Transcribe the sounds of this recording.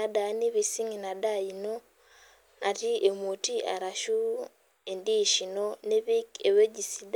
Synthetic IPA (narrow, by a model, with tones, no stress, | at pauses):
a˨dani˦βi˨si˦ŋi˨na˨da˦ino | a˨ti˦ʔemuti˦ʔa̰˨ɾaʃu˦ | e˨ndiʃi˨none˦βike˨we˦ɟisi˦da